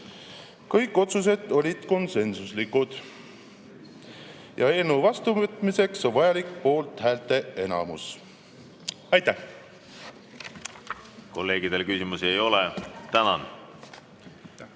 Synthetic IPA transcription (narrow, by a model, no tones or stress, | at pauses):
kɤjkːˑo̞t̪sus̬e̞d̪ˑo̞lʲid̪̥ko̞nse̞nsuslikud̪̥ | jɑe̞ːlnuvɑst̪uvət̪ːˑmise̞ksovɑjɑlikpo̞ːlt̪hæːlt̪ˑe̞e̞nɑ̰mṵs | ɑjt̪æh | ko̞lːe̞ːɡ̥id̪̥elkysimusiejo̞let̪ænɑn